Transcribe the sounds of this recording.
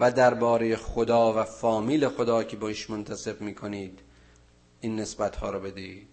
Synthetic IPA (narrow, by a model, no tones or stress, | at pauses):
væd̪æɾbɒːɾejexod̪ɒːvæfɒːmiːle̞xod̪ɒːcʰebɒiːʃmont̪ʰæse̞bmiːkʰoniːd̪ | ʔiːnːe̞sbæt̪hɒːɾɔbe̞d̪iiːd̪̥